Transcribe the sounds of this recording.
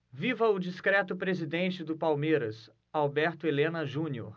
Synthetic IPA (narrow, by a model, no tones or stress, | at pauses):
vivɐʊd͡ʒiskɾɛt̪ʊpɾezid̪ẽnt͡ʃɪd̪ʊpawmeɾɐs | awbɛɾt̪ʊelẽnɐʒũnio̰ɾ